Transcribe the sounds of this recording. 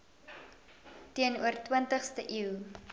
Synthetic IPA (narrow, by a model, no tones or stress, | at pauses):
tiənuərtwəntəχstəʔiw